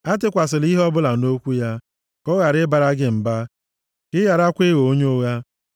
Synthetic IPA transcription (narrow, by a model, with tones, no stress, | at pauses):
a˦tɪ˦kʷa˨s̬ɪ˨li˦ɦɔ˦bʊ˦la˨no˦kʷu˦ja˦ | kɔ˦ɣa˨ɾɪ˦ba˨ɾa˦ɡɪ˦m̩˨ba˦ | kɪ˦ja˨ɾa˦kʷe˦ɣo˨o˦ɲo˦ɣa˦